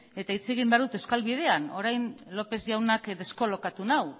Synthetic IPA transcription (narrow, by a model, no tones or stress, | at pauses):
e̞t̪ait͡se̞ɣimbeaɾðut̪ewskalβið̞e̞ano̞ɾajnlo̞pe̞zʝawnakd̪e̞sko̞lo̞kat̪unaw